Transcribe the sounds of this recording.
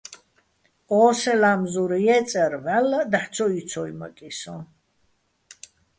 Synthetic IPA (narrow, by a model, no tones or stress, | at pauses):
ɔːsɛlamzuɾjɛt͡sʼɛɾvælːad̪aħt͡sʰɔit͡sʰɔjmə̰kʼisɔ̃